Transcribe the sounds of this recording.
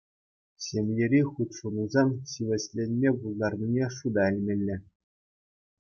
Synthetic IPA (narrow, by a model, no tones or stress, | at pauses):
ɕʲemʲjeɾʲiχut̪ʲʂunuzɑmɕiʋʲɘ̆ɕʲlʲenʲmʲebulˠd̪ɑrnʲinʲeʂud̪ɑɘ̆lʲmʲĕlʲːɘ̆